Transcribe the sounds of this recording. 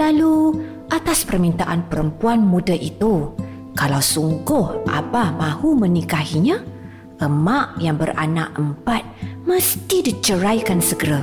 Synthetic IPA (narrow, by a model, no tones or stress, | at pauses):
lalu | ʔat̪aspərmint̪aʔanpəɾəmpuanmudaʔit̪u | kalawsuŋɡʊhʔa̰bahmãhumənikaɦiɲã | ʔəmaʔjaŋbəra̰na̰ʔəmpat̪̚məst̪idit͡ʃəɾajkansəɡəɾa